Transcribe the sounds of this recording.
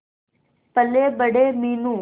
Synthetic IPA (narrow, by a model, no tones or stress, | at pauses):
pəleːbəɽeːmiːnũː